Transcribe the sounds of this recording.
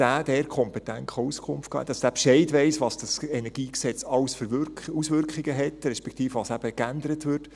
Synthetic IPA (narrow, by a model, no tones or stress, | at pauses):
æːd̥̪ɛɾkʰχɔmpɛt̪æntχɔuskʰʊmftkɑ̰ːɛ̰td̥ɑsd̥æpʃɛɪdʋɛɪsʋɑːsd̥ɑsɛnɛɾɡ̥iːksɛt͡sɑwsfəɾʋʏusʋʏɾkχɪɡəɦɛtɾɛʃpɛk̚ʰtiːfʋɑsæb̥əkændəɾətʋʏɾt